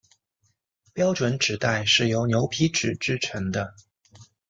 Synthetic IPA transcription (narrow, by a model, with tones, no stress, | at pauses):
pjɑ˥ʊʈ͡ʂwə˧˥nʈ͡ʂɻ̩˨˩t̪a˥˧ɪʂɻ̩˥˩jo˧˥ʊnjo˧˥ʊpʰi˥ʈ͡ʂɻ̩˨˩ʈ͡ʂɻ̩˥˩ʈ͡ʂʰə˧˥ŋd̪ə˧